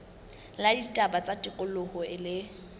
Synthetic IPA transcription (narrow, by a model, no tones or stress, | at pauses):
laditʼabat͡sʼatʼɪkʼʊlʊhɔɪlɪ